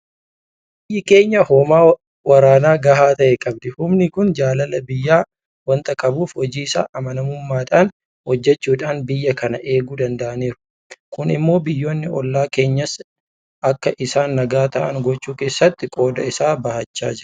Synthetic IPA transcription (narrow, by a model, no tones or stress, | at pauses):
b | ɪjːɪke̞ːɲːɐhoːmaː | wɐɾaːnaːɡɐɦaːt̪ɐʔɛkʼɐb̚d̪ɛhʊmnɪkʊnd͡ʒaːlɐlɐbɪjːaː | wɐnt̪ʼɐkʼɐbuːfhɔd͡ʒiːɪsa̰ːʔɐmɐnɐmʊmːaːᶑaːn | hɔd͡ʒːɛt͡ʃːuːᶑaːnbɪjːɐkɐnɐʔe̞ːɡuːd̪ɐnd̪ɐʔɐneːɾʊ̥ | kʊnɪ̰mːo̞ːbɪjːo̞ːnːɪɔlːaːke̞ːɲːɐs | ʔɐkːɐʔɪsaːnːɐɡaːt̪ɐ̰ʔɐ̰ŋɡɔt͡ʃːuːke̞ːsːɐt̪ːɪkʼo̞ːd̪ɐɪsaːbɐhɐt͡ʃːa̰ːd͡ʒɪɾɐ̥